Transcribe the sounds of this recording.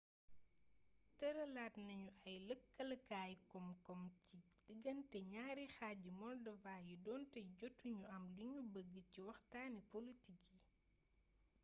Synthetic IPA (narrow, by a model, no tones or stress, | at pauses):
tɐɾɐlaːtnɐɲuʔɐjləkːɐlɐkaːjkɔmkɔmci | diɡɐntɛɲaːɾixaːɟimɔrdɐvaːjidɔːntɛɟɔtːuɲuɐmluɲubəɡːəciwɐxtaːnipolitiki